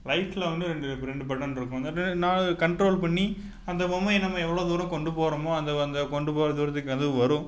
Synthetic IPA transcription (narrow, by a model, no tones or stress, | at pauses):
lɐɪfɪlɐʋɐnd̪ɯɾɛɳɖɯɾɛɳɖɯpɐʈːɐnɪɾɯkːʊ̃naɐnaːkɐɳʈɾoːlpɐɳːi | ɐnd̪ɐbɐmːɐnɐmːɐɛʋːɐɭoːd̪uːɾɐ̃kɔɳɖɯpoːɾɐmõɐnd̪ɐɐnd̪ɐkɔɳɖɯpoːɾɐd̪uːɾɐt̪̬ːɯkːɯɐðɯʋɯ̃ʋɐɾʊ̃